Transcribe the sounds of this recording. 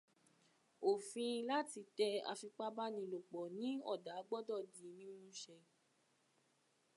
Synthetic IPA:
o˨fĩ˧la˦ti˧tɛ˦a̰˧fi˧k͡pa˦ba˦nĩ˧lo˨k͡pɔ˨nĩ˨˦ɔ˦˨da˨˦ɡ͡bɔ˦dɔ˦˨di˨˦nĩ˦nũ˦ʃɛ˧

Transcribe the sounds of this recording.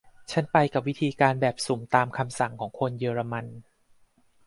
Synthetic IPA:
t͡ɕʰa˦˥npa˧jka˨˩p̚wi˦˥t̪ʰiː˧kaː˧nbɛː˨˩p̚soː˩˦mt̪aː˧mkʰa˧msa˨˩ŋkʰɔː˩˦ŋkʰo˧njɤː˧ɾa˧ma˧n

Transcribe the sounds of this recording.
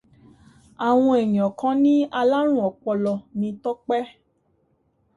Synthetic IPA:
a˨w̃ɔ̃˧ɛ˨jĩ˨ɔ̃˨kã˧˦nĩ˦a˧la˦ɾ̃ũ˦ɔ˨k͡pɔ˧lɔ˨nĩ˧tɔ˦k͡pɛ˦

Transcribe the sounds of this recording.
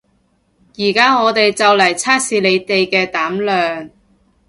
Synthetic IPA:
jiː˨˩kaː˥ŋɔː˨˧t̪e˨jt͡sɐ˨wlɐ˨˩jt͡sʰaː˥k̚siː˨˧le˨˧jt̪e˨jkɛː˧t̪aː˨˥mlœː˨ŋ

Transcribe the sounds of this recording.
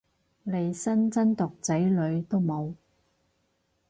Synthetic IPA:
le˨˧jsɐ˥nt͡sɐ˥nt̪ʊ˨k̚t͡sɐ˨˥jlɵ˨˧ɥt̪o˥wmo˨˧w

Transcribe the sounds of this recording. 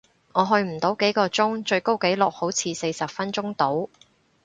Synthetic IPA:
ŋɔː˨˧ɦɵ˧ɥm̩˨˩t̪o˨˥wke˨˥jkɔː˧t͡sʊ˥ŋt͡ʃɵ˧ɥko˥wke˨˥jlʊ˨k̚ho˨˥wt͡sʰiː˨˧se˧jsɐ˨p̚fɐ˥nt͡ʃʊ˥ŋt̪o˨˥w

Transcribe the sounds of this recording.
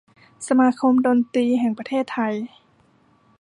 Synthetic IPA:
sa˧maː˧˥kʰo˧mdoː˧nt̪iː˧ɦɛː˨˩ŋpɾa˧t̪ʰeː˥˩t̪ʰːa˧j

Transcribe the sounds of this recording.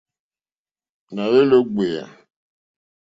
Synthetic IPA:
na˨ɣe˦lo˦ɡ͡be˨ja̰˨

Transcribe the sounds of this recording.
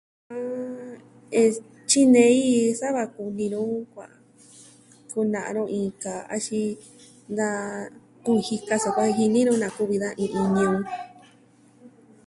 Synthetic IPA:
a˧ | e˧ | t͡ʃi˦nẽ˧˦i˦sa˦βa˧ku˧nĩ˧ɾũ˦kʷa̰˨ʔ | ku˧nã˨ʔɾõ˦˧ʔĩ˧ka˨a̰˧ʃi˧ | nd̪a˦˧ | ku˦i˧hi˧ka˧sa˧kʷa˧˦˧ɦi˧nĩ˦ɾũ˦nã˨ku˦βi˧ðã˦ʔĩ˧ʔi˧ɲĩ˧ũ˧

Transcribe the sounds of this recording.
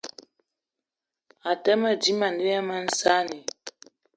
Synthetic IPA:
a˨tɛ˦mə˦˨di˦ma˨nde˦a˦ma˦n̩˦sa˦ni˨

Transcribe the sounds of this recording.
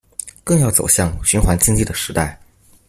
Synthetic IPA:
kɤ˥˧ŋjɑ˥˩ʊt͡so˨˩ʊɕjɑ˥˩ŋɕy˧˥nxwa˧˥nt͡ɕi˥ŋt͡ɕi˥˩d̪ə˩ʂɻ̩˧˥t̪a˥˩ɪ

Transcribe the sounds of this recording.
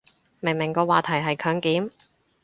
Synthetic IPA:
me˨˩ŋmɪ˨˩ŋkɔː˧waː˨t̪ʰɐ˨˩jɦɐ˨jkʰœː˨˥ŋkiː˨˥m

